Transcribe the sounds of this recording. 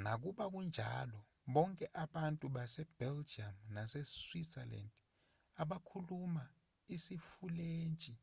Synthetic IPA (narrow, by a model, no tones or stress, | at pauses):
nak̬uɓak̬und͡ʒʱa̰lɔ | ɓɔŋkʼɛʔaɓantʼuɓasɛb̥ɛld͡ʒiamnasɛswisɛla̰nd | aɓakʰuluma | isifuleːnt͡ʃʼi